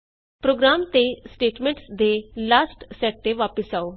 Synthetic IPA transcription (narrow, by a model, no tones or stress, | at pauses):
pɾoːɡɾaːmt̪eːsʈeːʈmɛ̃ːɳʈsd̪eːlaːsʈsɛːk̚ʈeːʋaːpəsaːoː